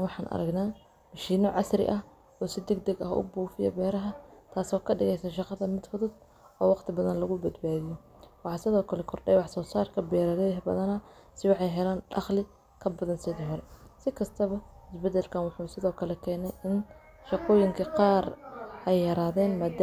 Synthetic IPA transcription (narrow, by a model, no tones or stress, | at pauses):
wɑħɑːnʔɐ̰ɾɐ̰ɡnaː | mɐʃiːnɔʕɑsrɪ̰ʔɐh | ɔːsɪd̪ɛɡd̪ɛɡɐɦʔʊ̰buːfɪjɐ̰bɛːɾɐɦɐt̪ʰaːsɔːkʰɐɖɪɣɛjsɐːʃɑqɑðɐmɪd̪fʊðʊd̚ | ɔːwɑqt̪ʰɪbɐðɐnlɐɣʊbɐd̪baːðɪjɔ | wɑħɑːsɪðɔːkʰɐlɛkʰɔrɖɛjwɑħsɔːsaːrkʰɐbɛːɾɐɾɦbɐ̰ðɐnɐsɪwɑħɑjɦɛlaːnɖɑχlɪ | kʰɐbɐðɐnsɪðɔɦɔɾɛsɪkʰɐst̪ʰɐβɐɪsbɛd̪ɛlkʰanwɑħuːsɪðɔːkʰɐlɛkʰɛːnɛjɪn | ʃɑqɔːjɪŋkʰɐqɑːrʔɛjːɐɾaːðɛːnmaːd̪